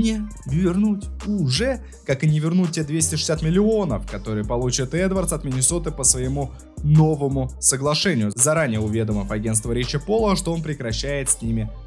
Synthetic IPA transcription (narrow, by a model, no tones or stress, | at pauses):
nʲɪvʲɪrnutʲʊʐɛ | kakɨnʲɪvʲɪrnut̚ʲtʲːed̪vʲesʲtʲɪʂɨ̥sʲat̪mʲɪlʲɪo̞nəfkɐt̪o̞ɾɨjəpɐlˠut͡ɕɪt̪ɛd̪vərt̪sɐt̪mʲɪnʲɪso̞t̪ɨpəsvəjɪmu | no̞vəmʊsəɡlˠɐʂɛnʲɪjʊzɐɾanʲɪjəʊvʲe̞d̪əməfɐɡʲe̞ntst̪vəɾʲet͡ɕɪpo̞lˠəʂt̪oo̞npɾʲɪkɾɐɕːæjɪt̪sʲnʲimʲɪ